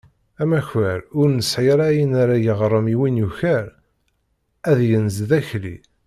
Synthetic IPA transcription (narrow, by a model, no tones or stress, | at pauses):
æmæçæɾʊɾnəsʕiɾˤæjənaɾajəʁɾˤəmiwinjuçæɾ | æðjənzðæçlḭ